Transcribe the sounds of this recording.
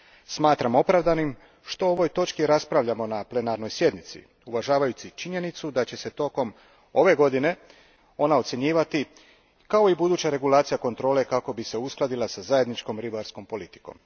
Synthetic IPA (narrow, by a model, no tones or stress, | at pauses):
smaːt̪ɾamo̞pɾavʋd̪anim | ʃt̪o̞oʋo̞jt̪o̞t͡ʃkiɾaspɾaʋʎamo̞naple̞naɾno̞jsje̞d̪nit̪sḭ | uʋaʒaːʋajut͡ʃ̪it͡ʃiɲe̞nit̪sud̪at͡ɕe̞se̞t̪o̞ko̞m | o̞ʋe̞ɡo̞d̪ine̞ | o̞nao̞t̪sʲje̞ɲiːʋat̪i | kao̞ibud̪uːt͡ɕaɾe̞ɡulˠaːt̪sijako̞nt̪ɾo̞ːle̞kako̞bise̞usklˠad̪ilˠasazaje̞d̪nit͡ʃko̞mɾibaɾsko̞mpo̞lit̪i̥ko̞̰m